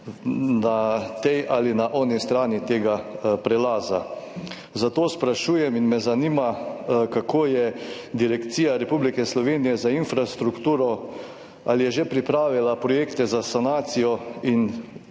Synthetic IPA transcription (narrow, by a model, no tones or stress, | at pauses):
nat̪ɛjʔalinaʔɔnist̪ɾaːnit̪eːɡapɾɛlaːza̰ | zat̪oːspɾaʃuːjɛminmɛzanimakakʰoːjɛ | d̪iɾɛkt̪siːjaɾɛpublikɛslɔʋeːnijɛzainfɾast̪ɾukt̪uːɾɔ | a̰lijɛʒepɾipɾaːʋilapɾɔjeːkt̪ɛzasanaːt̪sijɔin